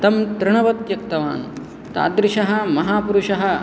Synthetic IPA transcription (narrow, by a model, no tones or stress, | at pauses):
t̪ɐmt̪ɾɪɳɐʋɐt̪jɐkt̪ɐʋa̰ːn | t̪a̰ːd̪ɾɪʃɐɦɐ̆mɐɦaːpuɾuʂɐɦɐ̆